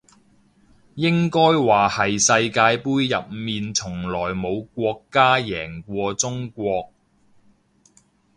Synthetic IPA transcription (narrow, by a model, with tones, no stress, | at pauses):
jɪ˥ŋkɔː˥jwaː˨hɐ˨jsɐ˧jkaː˧jpuː˥jːɐ̰˨p̚miː˨nt͡sʰʊ˨˩ŋlɔː˨˩jmo˨˧wkʷɔː˧kːaː˥jɛː˨˩ŋkʷɔː˧t͡sʊ˥ŋkʷɔː˧k̚